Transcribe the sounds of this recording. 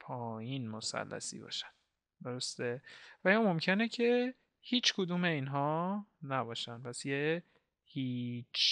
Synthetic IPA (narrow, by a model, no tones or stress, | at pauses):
pʰɒːjinmo̞sæ̰lːæ̰sḭːbɒ̰ːʃæ̥n | d̪o̞ɾo̞st̪evæjɒːmo̞mcʰe̞necʰe | hiːt͡ʃkʰod̪uːme̞iːnɦɒːnæbɒːʃænpʰæsje | hiːt͡ʃʰ